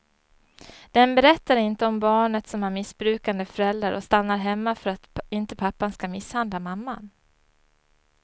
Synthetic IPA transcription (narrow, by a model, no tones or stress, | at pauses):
d̪̥ɛnbɛɾɛt̪ːaɾɪnt̪əɔmbɑːɳət̪sɔmæɾmɪsbɾʉ̟ːkand̪əfœɾɛld̪ɾaɾʔɔ̰st̪anːaɾɦɛmːafœɾat̪ɪnt̪əpʰapːanskamɪshand̪lamamːan